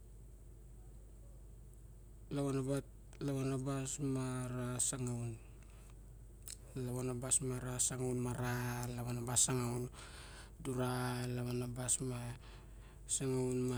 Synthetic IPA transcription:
laβanabat | laβanabasmaɾasaŋawn | laβanabasmaɾasaŋawnmaɾalaβanabasaŋawn | duɾalaβanabasma | saŋawnma

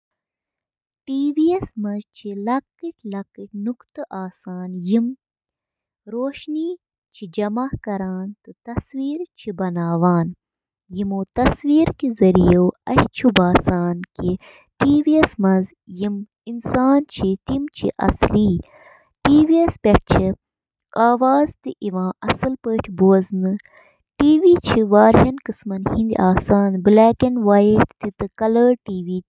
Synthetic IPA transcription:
ʈiːʋiesmɐzt͡ʃʰilɐkiʈlɐkiʈnukt̪ɨʔaːsaːnjim | ɾoːʃniː | t͡ʃʰid͡ʒɐmahkɐɾaːnt̪ɨt̪ɐswiːɾt͡ʃʰibɐnaːʋaːn | jimoːt̪ɐswiːɾkizɐɾijewɐ̰ɕt͡ʃʰubaːsaːnki | ʈiːʋiɐsmɐnz | jim | insaːnt͡ʃʰit̪imt͡ʃʰḭʔɐ̰sliː | ʈiːʋiɐspʲeʈ̚t͡ʃʰi | aːʋaːzt̪iʔiʋãːʔɐsɨlpəːʈʰibuɐznɨ | ʈiːʋiːt͡ʃʰiʋaːɾɦɐnkɨsmɐnhind̪ʲiʔaːsaːnblaːkɐnʋaːjiʈ̚ʰt̪it̪ɨkɐlɐɾʈiːʋiː

